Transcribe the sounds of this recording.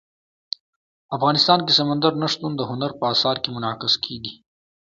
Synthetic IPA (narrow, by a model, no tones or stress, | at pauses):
afɣɑːnɪst̪ɑːnk̬esamand̪aɾnaʂt̪und̪əɦʊnaɾpəɑsɑːɾkemʊnɑːkɪskʰeɡi